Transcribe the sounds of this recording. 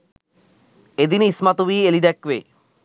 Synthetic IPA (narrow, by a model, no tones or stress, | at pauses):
ed̪inismat̪ubielid̪ɛkʋe